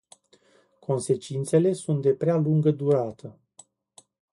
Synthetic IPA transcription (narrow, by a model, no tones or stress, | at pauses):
kʰo̞nse̞t͡ʃint̪se̞le̞sunt̪̚d̪e̞pɾealuŋɡəd̪uɾat̪ʰə